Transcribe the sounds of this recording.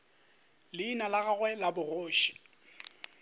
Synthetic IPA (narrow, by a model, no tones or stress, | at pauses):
lɪinalaɣaɣwɛlabʊroːʃi̥